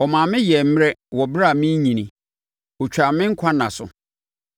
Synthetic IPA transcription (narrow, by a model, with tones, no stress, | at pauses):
ɔ˨mãː˨mɪ̃˦jɛ˨m̩˦m˦ɾɛ˦wɔ˨bɾa˦˨mĩ˦ɲĩ˨nĩ˨ | o˨t͡ɕᶣa˨˦mɪ̃˦ŋ̩˦kʷʰa˦nã˨sʊ̰˨